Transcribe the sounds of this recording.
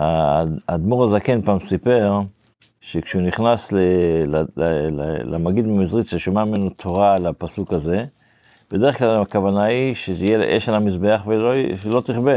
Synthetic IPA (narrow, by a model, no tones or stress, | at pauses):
aa̰d̪muʁazekenpaːmsipe̞ʁ | ʃekʃeuniχnaslelaelelamaɡid̪memizʁit̪ʃeʃomamimenut̪ʰoʁalapasukaze̞ | b̥ed̪eeχklalakavanaiʃeijejʔḛʃalamizbeaχveloelo̞t̪iχbe